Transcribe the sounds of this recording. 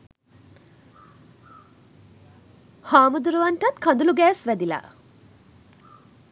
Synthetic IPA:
haːmud̪uɾuʋaɳʈɐt̪kʰand̪uluɡɛːsʋæd̪ila̰

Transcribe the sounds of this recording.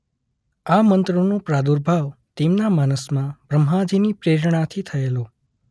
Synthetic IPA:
amənt̪ɾonõpɾad̪uɾbʱaʋt̪emnamanəsmãbɾəmɦãd͡ʒʱinipɾeɾɳ̃at̪ʰit̪ʰəelo

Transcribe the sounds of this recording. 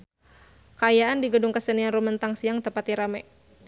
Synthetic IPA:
kajaʔandiɡədʊŋkəsənianrumənt̪aŋsiaŋt̪əpat̪iɾamɛʔ

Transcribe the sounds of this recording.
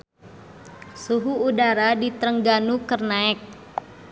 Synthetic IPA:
suɦuːdaɾadit̪ɾəŋɡanukərnaɛk̚

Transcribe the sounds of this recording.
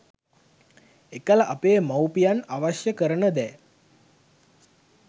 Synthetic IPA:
ekələʔapeːmawpijanaʋaʃjəkəɾənəd̪ɛ

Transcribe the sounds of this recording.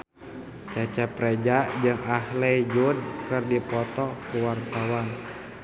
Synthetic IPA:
t͡ʃat͡ʃɛpɾɛd͡ʒad͡ʒɨŋahlɛd͡ʒud̚kɨrdipɔt̪ɔkuwart̪awan

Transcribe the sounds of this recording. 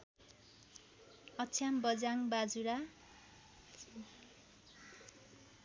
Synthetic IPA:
ʌtt͡sʰjambʌd͡zaŋbad͡zuɾa

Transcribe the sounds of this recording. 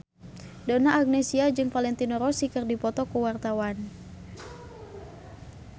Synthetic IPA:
danaːɡ̚nesiad͡ʒɨŋfalɛnt̪inɔɾɔsikərdipɔt̪ɔkuwart̪awan

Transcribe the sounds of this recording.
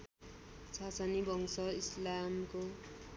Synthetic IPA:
t͡sʰasanibʱʌŋsʌislamko

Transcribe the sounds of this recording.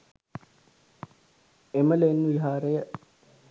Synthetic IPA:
eməleːnːʋiɦaːɾejə

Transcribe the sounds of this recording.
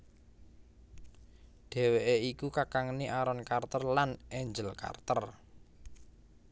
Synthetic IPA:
ɖ̥e̤weʔeikukakaŋniʔaɾɔnkart̪ɔrlanɛɲd͡ʒəlka̰rt̪ər

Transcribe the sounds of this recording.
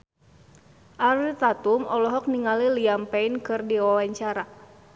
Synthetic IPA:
ʔaɾit̪at̪umɔlɔɦɔk̚niŋaliliampɛinkɨrdiwawaɲt͡ʃaɾa

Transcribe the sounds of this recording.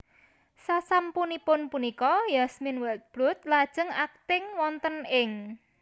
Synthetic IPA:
sasampunipʊnpunikɔjasmɪnwɛt̪̚b̥lʊt̪̚lad̥ʒ̥ə̤ŋak̚t̪ɪŋwɔnt̪ənɪŋ

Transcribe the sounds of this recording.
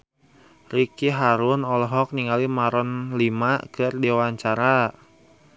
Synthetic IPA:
rikiɦaɾʊnɔlɔɦɔk̚niŋalimaɾɔnlimakɨrdewaɲt͡ʃaɾa

